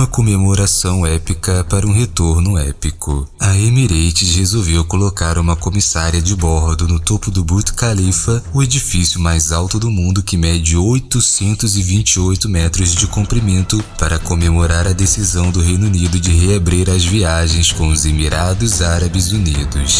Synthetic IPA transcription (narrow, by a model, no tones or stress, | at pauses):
mɐkomemoɾasɐ̃w̃ɛpikɐpaɾɐũɦet̪oɾnʊɛpikʊɐemiɾejt͡ʃɪshezowvewkolokaɾũmɐkomisaɾiɐd͡ʒɪbɔɦd̪ʊnʊt̪opʊd̪ʊbɾut̪kalifɐʊed͡ʒifisjʊmajzawt̪ʊd̪ʊmũnd̪ʊkɪmɛd͡ʒɪojt̪ʊsẽnt̪ʊzɪvĩnt͡ʃiojt̪ʊmɛt̪ɾʊzd͡ʒɪkũmpɾimẽnt̪ʊpaɾɐkomemoɾaɾɐd̪esizɐ̃w̃d̪ʊɦẽjnunid̪ʊd͡ʒɪɦeabɾiɾɐzviaʒẽj̃skõw̃ʊzemiɾad̪ʊzaɾɐbɪzunid̪ʊ̰s